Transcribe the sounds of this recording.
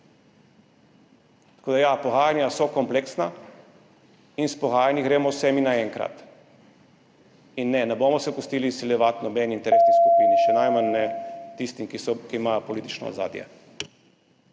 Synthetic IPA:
t̪ḁkoːd̪ajapɔɣaːjanjasɔkɔmpleksna | inspɔɣaːjaniɡɾeːmɔwsɛminaɛŋkɾa̰t̪ | inːɛnɛboːmɔsɛkʊst̪iːlisiljɛʋat̪nɔbɛniint̪ɛɾeːsniskupiniʃɛnajmanːɛt̪ist̪imkisɔkiimaːjopɔliːt̪i̥t͡ʃnɔ̰za̰ːd̪jɛ̰

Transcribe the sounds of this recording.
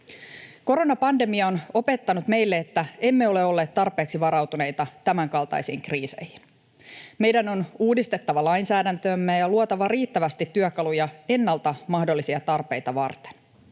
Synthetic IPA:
ko̞ɾo̞nɑpɑnde̞miɑono̞pe̞t̪ːɑnut̪me̞jlːe̞ːt̪ːæe̞mːe̞o̞le̞o̞lːeːt̪t̪ːɑrpe̞ːksiʋɑɾɑwt̪une̞jt̪ɑt̪æmæŋkɑlt̪ɑ̰jsḭːŋkriːse̞̰jhin | me̞jdæno̞nuːdist̪e̞t̪ːɑʋɑlɑjnsæːdænt̪øːmːejɑluot̪ɑʋɑriːt̪ːæʋæst̪it̪ːyøkɑlujɑe̞nːɑlt̪ɑmɑhdo̞lːisiɑt̪ɑrpe̞jt̪ɑʋɑ̰rt̪e̥n

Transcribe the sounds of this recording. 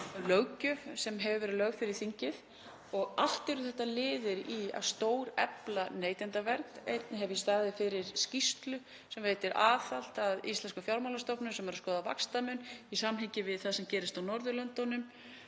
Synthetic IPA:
lœɥcʏvsɛmɦɛvʏvɛːɾɪðlœɥɣfɪɾɪɾ̥θiɲcɪð | ɔɣal̥t̪ɪɾʏθɛht̪ːalɪːðɪɾia̰ðst̪oːwɾɛ̰planeːjt̪ɪnt̪avɛɾknejt̪nɪɦɛvjɛst̪aɾðɪfɪɾɪɾscist̪lʏ | sɛmveːjt̪ɪɾʔa̰ːθal̥t̪aðist̪lɛnskafjawɾmawlast̪ɔpnʏsɛmɛɾaskɔːðava̰kst̪amʏnisamːɦɪcɪvɪðθaðsɛmcɛːɾɪst̪awnɔɾðʏlœnt̪ːɔnʏm

